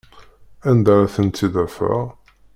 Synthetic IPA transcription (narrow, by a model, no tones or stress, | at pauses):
ænd̪aɾæθənt̪ːid̪əfa̰